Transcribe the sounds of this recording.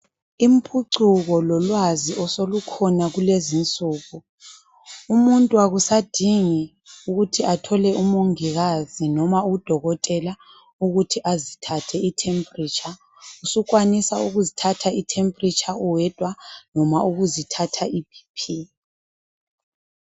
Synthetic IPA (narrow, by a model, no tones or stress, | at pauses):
im̩pʰuǀuɣɔlɔlwaziʔɔsolukʰɔnaɣulezint͡sʼuːɣu | umuntʼuwaɣusad̥ʱiŋi | uɣutʰiatʰɔlɛumuŋiɣazinɔmaud̥ʱɔɣɔtʼɛla | uɣutʰiʔazitʰatʰɛitʰɛmpʼrit͡ʃʼa | usukʼwanisauɣuzitʰatʰaitʰempʼrit͡ʃʼauwɛd̥ʱʼwanɔmaʔuɣuzitʰatʰaibʱi̥pʰi